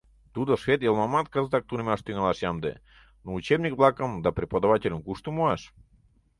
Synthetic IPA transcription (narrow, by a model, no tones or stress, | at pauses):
t̪ud̪oʂvʲet̪jelˠmamat̪kazət̪ak̚t̪unəmʲaʂt̪yŋalˠɑʂjamd̪ḛ | nout͡ɕebnʲikblˠɑkəmd̪apɾʲɪpəd̪avatʲɪlʲəmkuʂt̪umoaʂ